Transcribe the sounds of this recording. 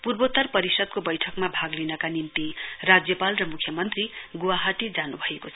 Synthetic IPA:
purbot̪ʌrpʌɾisʌd̪̚kobʌjʈʰʌkmabʱaɡlinʌkanimt̪irad͡zjʌpalrʌmukʰjʌmʌnt̪riɡuwaɦaʈid͡zanubʱʌekot͡sʰʌ

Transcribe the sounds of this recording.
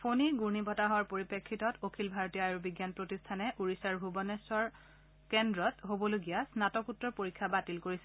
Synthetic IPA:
pʰoniɡuɹnibʱɔtaɦɔaɹpoɹipekʰːitɔtokʰilbʱaɹɔtiɔajɹubiɡjanpɹotistʰanɛʔuɹisaɹbʱubɔnɛsɔɹ | kɛndɹɔtɦobɔloɡijasnatɔkutːɹɔɹpoɹikʰːabatilkoɹisɛ

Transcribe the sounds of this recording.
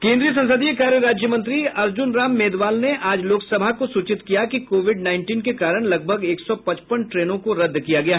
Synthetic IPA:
kẽːnd̪ɾiːəs̬ɐ̃nsəd̪iekaːɾjəɾaːd͡ʒjəmɐ̃nt̪ɾiɐɾd͡ʒʊnɾaːmːeːd̪ʋaːlneʔaːd͡ʒloːksɐbʱakosuːt͡ʃɪt̪kijakikoːʋɪɖnaːɪɳʈiːnkekaːɾəɽ̃lɐɡ̚bʱɐɡeːksɔpɐt͡ʃpəɳʈɾeːnõkoɾɐd̪ːkijaɡɐjaːɦ

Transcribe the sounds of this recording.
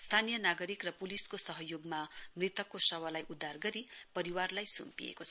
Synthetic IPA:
st̪ʰanijʌnaɡʌɾikrʌpuliskosʌɦʌjoɡmamrit̪ʌkːosʌwʌlajʔud̪ʱːarɡʌɾipʌɾiwarlajsṵmpḭjḛkot͡sʰ

